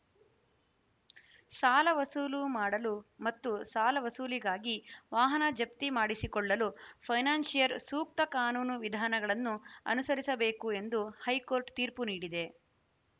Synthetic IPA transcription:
saːlɐʋɐsuːlumaːɽɐlumɐt̪ːusaːlɐʋɐsuːliɡaːɡiʋaːɦɐnɐd͡ʒɐp̚t̪imaːɽisikɔɭːɐlupʰɐjnaːnsijɐɾsuːk̚t̪ɐkaːnuːnuʋid̪ʱaːnɐɡɐɭɐnːuɐ̰nusɐɾisɐbe̞ːkue̞nd̪uhɐjko̞ːɾʈt̪iːɾpuniːɽid̪e̞

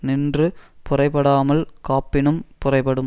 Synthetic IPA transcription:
nɪndrɯpʊrɐɪpːɐɽaːmɐlkaːpːɪnɯmpʊrɐɪpɐɽɯm

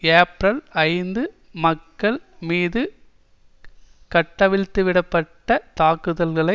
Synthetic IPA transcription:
eːpɾɐlɐɪnd̪ɯ | mɐkːɐɭmiːðɯ | kɐʈːɐʋɪɭt̪ːɯʋɪɽɐpːɐʈːɐt̪aːkɯðɐlɣɐɭɐɪ

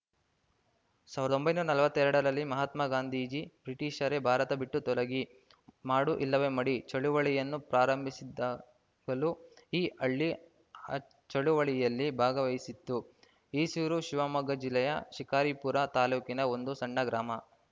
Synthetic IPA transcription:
saːʋiɾɐd̪o̞mbɐjnuːɾɐnɐlʋɐt̪ːɛɾɐɽɐɾɐlːimɐɦɐt̪mɐɡaːnd̪ʱiːd͡ʒib̥ɾiʈiːʃɐɾe̞bʱaːɾɐt̪ɐbiʈːut̪ɔlɐɡi | maːɽuʔilːɐʋe̞mɐɽit͡ʃɐɭuʋɐɭijɐnːupɾaːɾɐmbʱisid̪aː | ɡɐluiːʔɐɭːi | ɐ | t͡ʃɐɭuʋɐɭijɐlːibʱaːɡɐʋɐjsit̪ːu | iːsuɾuʃiʋaːmɐɡɐd͡ʒilːɛjɐ̰ʃikaːɾipuɾɐt̪aːluːkinɐo̞nd̪usɐɳːɐɡɾaːmɐ

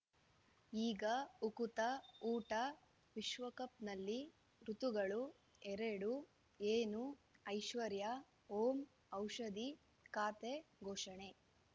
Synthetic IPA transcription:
iːɡɐukut̪ɐuːʈɐ | ʋiʃʋɐkɐp̚nɐlːi | ɾut̪uɡɐɭu | ɛɾeɽu | eːnuɐjʃʋɐɾjɐ | oːm | ɐwʂɐd̪i | kaːt̪eɡʱoːʂɐɳe̞

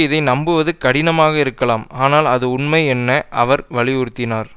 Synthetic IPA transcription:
ɪðɐɪnɐmbɯʋɐðɯkɐɽɪnɐmaːɣɐɪɾɯkːɐɭaːmaːnaːlɐðɯʊɳmɐɪɛnːɐʔɐʋɐɾʋɐɭɪjʊɾɯt̪ːɪnaːɾ

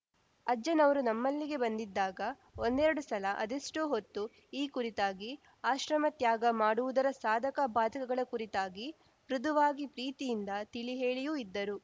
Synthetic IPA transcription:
ɐd͡ʒɐnɐʋɐɾunɐmːɐlːiɡe̞bɐnd̪id̪ːaːɡɐ | ond̪ɛɾɐɽusɐlɐʔɐ̰d̪iʂʈuɦot̪ːu | iːkuɾit̪aːɡi | aːʃɾɐmɐt̪jaːɡɐmaːɽuʋud̪ɐɾɐsaːd̪ʱɐkɐbʱaːd̪ʱɐkɐɡɐɭɐkuɾit̪aːɡi | ʋɾud̪uʋaːɡipɾiːt̪ijind̪ɐt̪iliɦeːɭijuid̪ːɐɾu

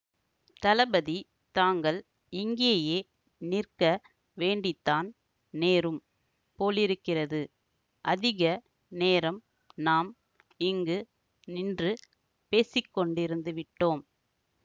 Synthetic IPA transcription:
t̪ɐlɐbɐði | t̪aːŋɡɐɭ | ɪŋɡɪjɐjeː | nɪrkɐ | ʋeːɳɖɪt̪ːaːn | neːɾɯm | poːlɪɾɯkːɪrɐðɯ | ʔɐðɪɣɐ | neːɾɐm | naːm | ɪŋɡɯ | nɪndrɯ | peːsɪkːɔɳɖɪɾɯnd̪ɯʋɪʈːoːm

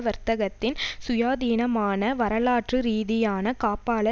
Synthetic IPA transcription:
ʋɐɾt̪ɐɣɐt̪ːɪnsʊjaːðiːnɐmaːnɐʋɐɾɐlaːʈrɯɾiːðɪjaːnɐkaːpaːɭɐ

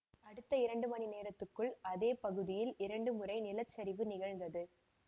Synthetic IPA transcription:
ɐɽɯt̪ːɐɪɾɐɳɖɯmɐnineːɾɐt̪ːɯkːɯɭɐðeːpɐɣɯðɪjɪlɪɾɐɳɖɯmɯɾɐɪnɪlɐt͡ʃːɐɾɪʋɯnɪɣɐɻŋɡ̪ɐðɯ

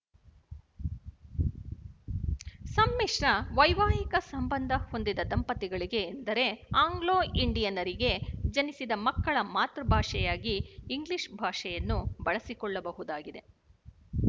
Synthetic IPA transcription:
sɐmːiːʂɳɐʋɐjʋaːjikɐsɐmbɐnd̪ʱɐho̞nd̪id̪ɐd̪ɐmpɐt̪iɡɐɭiɡe̞ːnd̪ɐɾe̞aːŋɡɭoːiɳɖijɐnɐɾiɡe̞d͡ʒɐnisid̪ɐmɐkːɐɭɐmaːt̪ɾɐbʱaːʂɛjaːɡiːŋɡliʂbʱaːʂɛjɐnːubɐɭɐsikɔɭːɐbɐɦud̪aːɡid̪e̞

